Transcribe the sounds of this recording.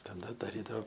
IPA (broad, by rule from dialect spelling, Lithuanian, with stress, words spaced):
tɐˈdɐ dɐˈrʲiːdɐoː